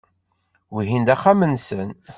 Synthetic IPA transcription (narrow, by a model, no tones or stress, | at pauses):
wiɦind̪æχːamənsən